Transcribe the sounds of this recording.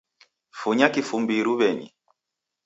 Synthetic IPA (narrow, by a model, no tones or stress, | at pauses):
fuɲakifumbiɾuβɛɲḭ